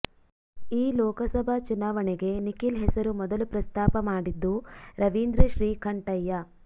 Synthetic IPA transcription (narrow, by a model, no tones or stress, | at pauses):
iːlɔːkɐsɐbʱɐt͡ʃunaːʋɐneɡe̞nikilɦɛsɐɾumɔd̪ɐlupɾɐst̪ʰaːpɐmaːɽid̪ːuɾɐʋiːnd̪ɾɐʃɾiːkʰɐɳʈɐjːɐ